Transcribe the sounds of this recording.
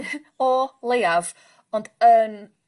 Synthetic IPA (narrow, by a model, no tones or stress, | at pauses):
ɔlˠejav | ɔnd̥ən